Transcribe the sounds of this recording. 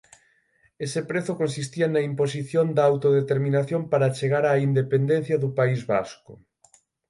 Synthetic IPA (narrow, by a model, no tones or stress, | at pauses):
esepɾeθʊkonsist̪iɐnɐimpos̬iθjond̪ɐawt̪oðet̪eɾminaθjompaɾat͡ʃeɣaɾaind̪epend̪enθjɐðupaizβa̰skʊ